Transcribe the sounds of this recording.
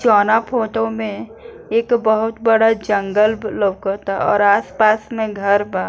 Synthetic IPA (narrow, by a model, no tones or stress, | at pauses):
t͡ʃɔːnapʰoːʈomẽ | eːkbəɦʊt̪bəɽad͡ʒə̃ŋɡəlləkəɾt̪ʰaɔ̰ːɾaːspaːsmẽɡʱɐɾbaː